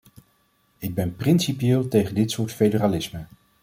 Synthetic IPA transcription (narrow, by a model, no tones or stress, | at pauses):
ɪɡ̚bɛnprɪnsipiɪːlˠtejχəndɪtsʊːɹtfejdəraːlɪsmə